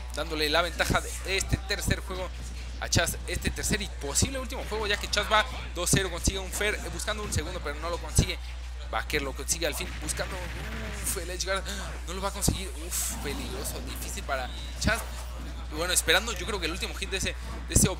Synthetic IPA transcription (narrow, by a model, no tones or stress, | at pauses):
d̪and̪o̞lelaβe̞nt̪axaðe | est̪e̞t̪eɾse̞ɾxwe̞ɣo̞ | a̰t͡ʃas | e̞st̪e̞t̪e̞ɾse̞ɾipo̞siβleult̪̬imoxwe̞ɣ̞o̞ʝake̞t͡ʃazβa | ðo̞sːe̞ɾokonsiɣeuɱfe̞ɾbuskand̪ounse̞ɣund̪o̞peɾo̞no̞loko̞nsiɣe̞ | ba̰keɾlo̞konsiɣealfinbuskand̪o̞ | felet͡ʃɣaɾðo | no̞lo̞βako̞nseɣiɾuf | peliɣɾo̞so̞ðifisilpaɾa | t͡ʃas | bwe̞noespe̞ɾand̪o̞ʝokɾekelult̪imo̞xit̪̚d̪ese | d̪eeseo